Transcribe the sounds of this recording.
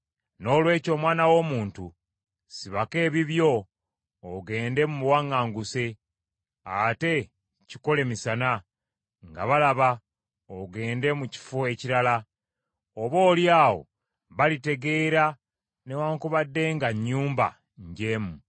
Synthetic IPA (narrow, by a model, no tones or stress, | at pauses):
no̞ːlwe̞ːco̞ːmwaːnawo̞muːntu | siβake̞ːβiβjo̞ː | ɡe̞ːnde̞mumuwaŋːaːŋɡuse̞ | ate̞ | ciko̞le̞misana | ŋɡa̰βalaβa | oɡe̞ːnde̞muci̥foe̞ciɾala | oβo̞ːljaːwo̞̰ | βalite̞ɡe̞ːɾa | newaːŋkuβadːe̞ŋɡaɲːuːmba̰ | ɲɟe̞ːmu